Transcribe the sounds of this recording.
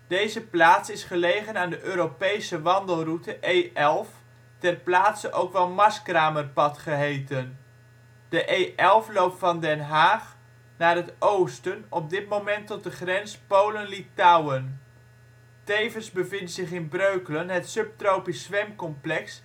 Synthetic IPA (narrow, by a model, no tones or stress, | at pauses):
d̥ejzəplaːtsɪsχəlejχənaːndəʔøːɾopejsəʋɑndəlˠrutəʔejʔɛlˠf | tɛrplaːtsəʔowkʋɛlˠmɑskraːmərpɑtχəɦejtən | d̥əʔejʔɛlˠflowp̚tfɑndɛnɦaːχ | naːrɦətowstənɔb̚dɪt̚mowmɛntɔt̚dəχrɛnspowlənlitawən | tejvənzbəvɪntsɪχɪnbrøɥkələnɦətsɵp̚trowpisːʋɛmkɔmplɛks